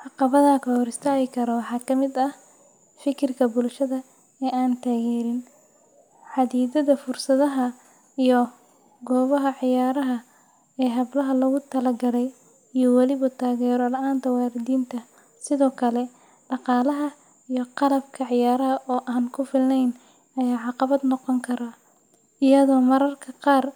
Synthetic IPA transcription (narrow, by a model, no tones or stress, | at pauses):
ʕɑqɑβɐðɐkʰɐhɔɾɪst̪ʰaːɣɪkʰɐɾɔwɑħɑːkʰɐmɪd̪ɐh | fɪkʰɪrkʰɐbʊlʃɐðɐ | ɛːʔaːnt̪ʰaːɣɛːɾɪn | ħɑðiːðɐðɐfʊrsɐðɐɦɐ | ijɔ | ɡɔːβɐɦɐʕɪjaːɾɐɦɐ | ɛːɦɐblɐɦɐlɐɣʊt̪ʰɐlɐɡɐlɛj | ijɔwɑlɪβɐt̪ʰaːɣɛːɾɔlɐʔaːnt̪ʰɐwɑːɾɪðiːnt̪ʰɐ | sɪðɔːkʰɐlɛ | ɖɑqɑːlɐɦɐ | ijɔqɑlɐbkʰɐʕɪjaːɾɐɦɐʔɔːʔaːnkʰʊfɪlnɛjn | ɐjaːʕɑqɑβɐd̪nɔqɔŋkʰɐɾaː | ɪjɐðɔːmɐɾɐrkʰɐqɑːr